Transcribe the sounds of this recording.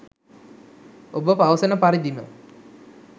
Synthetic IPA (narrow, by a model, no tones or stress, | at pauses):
obəpaʋəsənəpaɾid̪imə̰